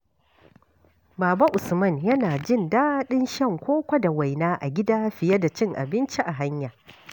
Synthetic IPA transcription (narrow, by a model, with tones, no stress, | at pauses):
baː˨ba˦ʔʊ˨smɐ˦˨njɐ˦naː˨d͡ʒɪ˦˨ndaː˦ɗɪ˦nʃɐ˦˨ŋkʷoː˦kʷa˦da˨wa˨jnaː˦ʔa̰˨ɡʲɪ˦daː˦ɸɪ˨jɐ˦da˨t͡ʃɪ˦ŋʔa̰˨bɪ˦nt͡ʃi˦ʔa˨ɦa˦ɲjaː˨